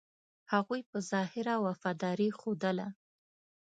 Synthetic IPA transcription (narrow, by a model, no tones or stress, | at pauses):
haɣujpəzɑhɪɾawafɑd̪ɑɾixod̪əla